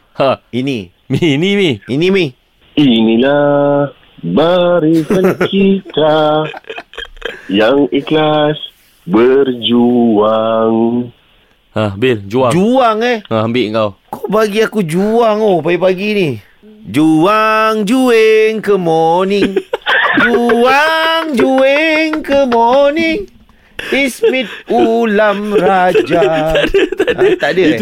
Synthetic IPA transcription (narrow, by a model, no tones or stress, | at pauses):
haini | minimiinimi | inila | baɾisankit̪a | jaŋiklas | bərd͡ʒuaŋ | abɪld͡ʒuaŋd͡ʒuaŋɛambɪʔŋkawkobaɡiakud͡ʒuaŋopajapaɡini | d͡ʒuaŋd͡ʒueŋkəmɔniŋd͡ʒuaŋd͡ʒueŋkəmoniŋ | ismit̪̚ulamrad͡ʒaadət̪aak̪adə